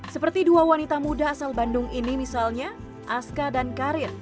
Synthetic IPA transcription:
səpərt̪iduawanit̪amudaːsalbandʊŋinimisalɲa | ʔaskadankaɾɪr

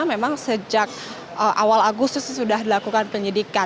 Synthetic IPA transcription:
amemaŋsəd͡ʒak̚ | ʔəʔawalaɡust̪ʊssudahdilakukanpəɲidika

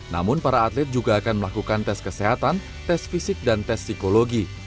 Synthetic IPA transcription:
na̰mʊnpaɾaːt̪lɪt̪̚d͡ʒuɡaːkanməlakukant̪ɛskəseɦat̪an | t̪ɛsfisɪk̚dant̪ɛsːikoloɡi

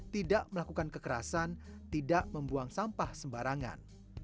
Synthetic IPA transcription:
t̪idaʔməlakukankəkəɾa̰sant̪idaʔməmbuaŋsampahsəmbaɾaŋa̰n

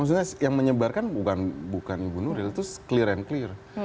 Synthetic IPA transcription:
aŋs̬uɲasjaŋməɲəbarkanbukanbukanibunuɾilt̪ʊskliɾɛnklɪr

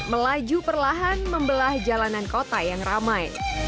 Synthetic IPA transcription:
məlad͡ʒupərlaɦanməmbəlahd͡ʒalanankot̪ajaŋramaj

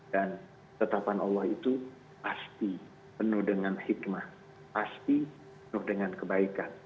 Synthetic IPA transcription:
dan | t̪ət̪apanɑlːɑhit̪u | past̪i | pənʊhdəŋanhikmah | past̪i | pənʊhdəŋankəbaikan

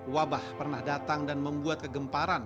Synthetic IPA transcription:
wabahpərnahdat̪aŋdanməmbuat̪̚kəɡəmpaɾan

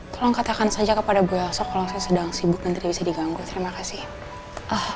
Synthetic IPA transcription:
t̪olaŋkat̪akansad͡ʒakəpadabasɔkːalawsajasədaŋsibʊk̚mənt̪iɾiabisadiɡaŋɡut̪əɾimakasih | ʔah

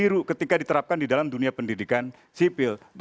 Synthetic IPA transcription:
iɾukət̪ikadit̪əɾap̚kandidalamduniapəndidikan | sipɪlb

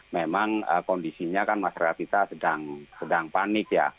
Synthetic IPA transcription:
memaŋə̰kɔndisiɲakanmaʃaɾakat̪̚kit̪asədaŋsədaŋpanɪkja̰

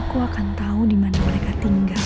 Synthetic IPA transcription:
kuakant̪aɦudimanaməɾekat̪iŋɡa

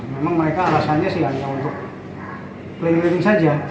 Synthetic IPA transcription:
memaŋməɾekaːlasanɲasiaŋjaŋunt̪ʊk̚ | pəlɛŋɾenɪŋsad͡ʒa

